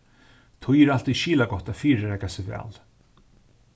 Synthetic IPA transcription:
t̪ʰɔjɪɾal̥t̪iʃiːlaɡɔht̪ːafiːɾəɾɛɡasɪvɛ̰ːl

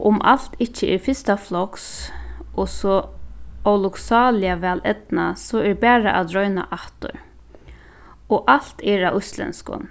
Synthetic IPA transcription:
ʔʊmʔa̰l̥t̪ɪht͡ʃːəɛɾfɪst̪aflɔks | ɔsɔ | ɔlʊksɑːlɪaʋɛːlɛt̪nasɔɛɹbæːɹaʔad̪ɾœɥna̰ʔaht̪ʊ̰ɹ | ɔʔal̥t̪ɛɹaʔʊjst̪lɛ̰nskʊ̰n

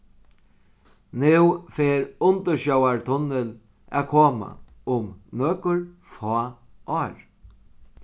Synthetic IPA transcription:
nɪwfeːɾʊnt̪əɾʃɔwaɹt̪ʰʊnːɪl | ʔæ̰ːkʰoːma̰ | ʊmnøːkʏɹ | fɔː | ʔɔːɹ

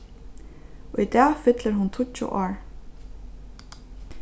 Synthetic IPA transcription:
ɔid̪ɛːfɪt̪ləɹɦʊnt̪ʰʊt͡ʃːʊ̰ʔɔːɹ

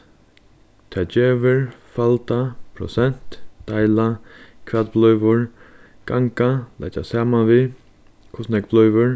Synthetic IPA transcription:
t̪ʰɛːd͡ʒeːʋɪɹfalt̪apʰɾɔ̰sɛn̥t̪d̪̥ajlakʰvɛt̪̚blɔʏʋʊɹ | ɡ̥aŋkala̰t̪a̰saːmanvi | kʰʊsnɛkblɔʏvʊɹ

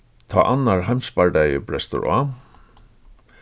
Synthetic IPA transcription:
t̪ʰa̰ːʔanːaɹɦajmspaɹɖajəbɾɛst̪ʊ̰ɹa̰

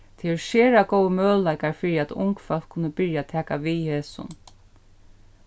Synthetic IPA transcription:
t̪ʰɛɪʃeːɾakowəmœːðlajkaɹfɪɹiæt̪ʊ̰ŋkfɛl̥kʰːʊnːəbɪɹjat̪ʰɛːkaʋiheːsʊ̰n

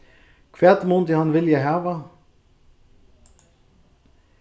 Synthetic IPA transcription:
kʰʋeːt̪mont̪ɪhɑnʋɪljæɪɦæːʋə

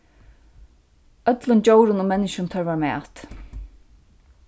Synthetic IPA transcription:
œt̪lʊnt͡ɕowɾʊnʊmɛnːɪʃʊnt̪ʰœɹvaɹmɛ̰ːt̪

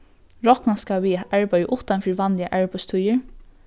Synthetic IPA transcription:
ɹɔknaskaʋiʔæɹbœʏəʔʊht̪anfiɹʋɑnlɪa̰ʔæɹbœst̪ʰujəɹ

